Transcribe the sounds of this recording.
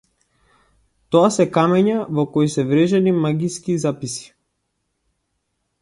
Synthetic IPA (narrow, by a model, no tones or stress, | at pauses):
t̪ɔasɛkamɛɲavɔkɔisɛvɾɛʒɛnimaɡiskizapisi̥